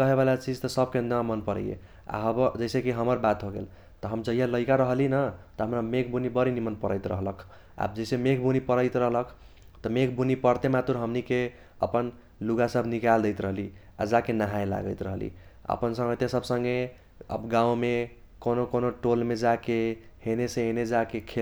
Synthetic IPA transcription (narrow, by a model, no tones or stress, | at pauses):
kʌɦeβalat͡ʃid͡ʒt̪əsʌb̚kend̪amənpəɾə̰jḛ | a̰ɦəbd͡ʒəɪsekiɦəməɾbat̪ɦoɡḛl | t̪ɔɦəmd͡ʒəɦijaləikaɾəɦlinət̪ɔɦəmɾamekʰbunibəɾinimənpəɾəjt̪ɾə̰ɦləkʰ | a̰bd͡ʒəjsemekʰbunipəɾəɪt̪ɾəɦləkʰ | t̪əmekʰbunipəɾt̪emat̪uɾɦəmnike | ə̰pən | luɡasəbʱnikald̪əjt̪ɾəɦlia̰d͡ʒakenəɦajla̰ɡəjt̪ɾəɦlḭə̰pənsə̃ŋɡət̪jesəbʱsəŋɡe | ə̰bɡãw̃me | konokonoʈolmed͡ʒake | ɦhenesẽened͡ʒakekʰel